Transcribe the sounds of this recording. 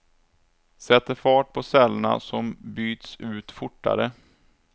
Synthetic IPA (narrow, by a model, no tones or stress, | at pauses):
sɛt̪ːəɾfɑːʈ̚pʰɔsɛlːɳa̰sɔmbyːt̪sʉ̟ːt̪fʊʈːa̰ɾə